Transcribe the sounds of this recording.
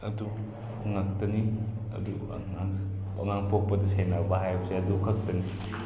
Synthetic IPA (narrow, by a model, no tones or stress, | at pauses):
ɐdu | ŋɐk̚tɐniɐ̰du | ŋaŋ | ɐ̰ŋaŋpok̚pɐdɐsenabɐɦajbɐseɐdukʰɐk̚tɐni